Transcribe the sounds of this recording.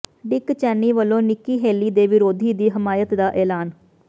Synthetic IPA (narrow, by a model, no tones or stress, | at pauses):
ɖɪkt͡ʃɛːniːʋəlːõːnɪkːiːɦeːliːd̪eːʋɪɾoːd̪ʱiːd̪iːɦɪmaːjət̪d̪aːʔɛːlaːn